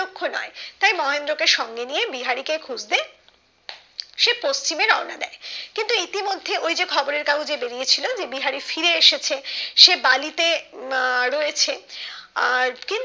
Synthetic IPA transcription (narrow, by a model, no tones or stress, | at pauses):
okʰːonɔ̰et̪ajmɔɦend̪ɾokeʃɔŋɡenijebiɦaɾikekʰud͡ʑd̪e | ʃepost͡ɕimeɾɔɾnad̪ɛekint̪uit̪imod̪ʱːeʔojd͡ʑekʰɔboɾeɾkaud͡ʑebeɾijet͡ɕʰilod͡ʑebiɦaɾifiɾeeʃet͡ɕʰeʃebalit̪e | ɾojet͡ɕʰeaɾkin